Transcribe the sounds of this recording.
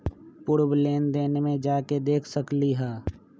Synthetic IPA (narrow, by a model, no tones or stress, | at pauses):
pʊɾbleːnd̪eːnemẽd͡ʒaːked̪eːkʰsəkliɦɛː